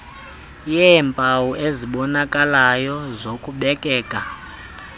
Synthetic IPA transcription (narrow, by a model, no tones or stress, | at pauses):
jɛmpʼawuʔeziɓɔnakʼalajɔzokʼuɓɛkʼɛːkʼa